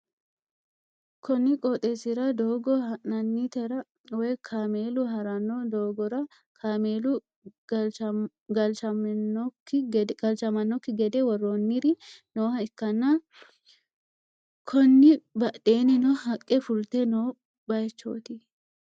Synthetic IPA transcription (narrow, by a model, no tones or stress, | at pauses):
kʰɔnːɪkʼɔt̪ʼɛsɪɾɐd̪oːɡɔhɐʔnɐnːit̪ɛɾɐ | wɔjkʰaːmeːlʊɦɐɾɐnːɔd̪oːɡɔɾɐ | kʰaːmeːlʊ | ɡɐlt͡ʃɐmnːɔkːɪɡɐlt͡ʃɐmɐnːɔkːɪɡɛd̪ɛwɔrːonːɪɾɪnoːhɐɪkːɐnːɐ | kʰɔnːɪbɐᶑeːnɛnɔɦɐkʼːɛfʊlt̪ɛnoː | bɐjt͡ʃːo̰ːt̪ɪ